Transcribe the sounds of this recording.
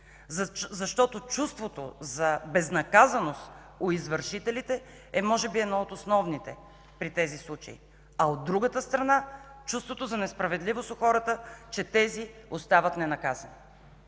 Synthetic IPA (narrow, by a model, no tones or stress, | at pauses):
zɐʃt̪ɔt̪ot͡ʃust̪vot̪o̰zɐbɛznɐkazɐnost̪ | oizvəɾʃit̪ɛlit̪ɛ | ɛmɔʒɛbiɛd̪nɔot̪osnɔvnit̪ɛ | pɾit̪ɛzislˠut͡ʃɐ̰ḭ | ɐod̪ːɾuɡət̪əst̪ɾɐnat͡ʃust̪vot̪ozɐnɛspɾɐvɛd̪livosoxɔɾət̪ət͡ʃɛt̪ɛziost̪avət̪nɛnɐkazɐni